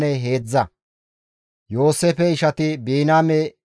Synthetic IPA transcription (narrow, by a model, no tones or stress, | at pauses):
nɛɦe̞ːd͡zːɐ | jo̞ːseːfɛɪʃɐt̪ɪbeːnaːmɛ